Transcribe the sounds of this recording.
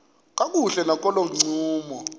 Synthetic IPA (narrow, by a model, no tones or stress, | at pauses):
k̬ʼak̬ʼuɬɛnak̬ʼɔloŋ͡ǀuːmɔ